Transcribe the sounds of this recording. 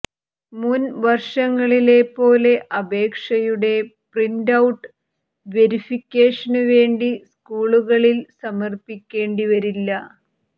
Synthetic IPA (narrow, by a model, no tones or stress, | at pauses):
munʋɐrʂɐŋːɐɭile̞pːo̞ːle̞ʔɐbe̞ːkʂɐjuɽe̞priɳdɐwuʈːɨ | ʋe̞ɾifikʲːe̞ːʂɐnuʋe̞ːɳɖiskuːɭuɣɐɭilsɐmɐrpikʲːe̞ːɳɖiʋɐɾilːɐ